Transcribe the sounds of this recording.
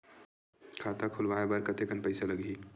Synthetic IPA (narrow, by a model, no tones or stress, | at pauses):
kʰaːt̪akʰʊlʋaebəɾkət̪ekənpəɪsaləɡi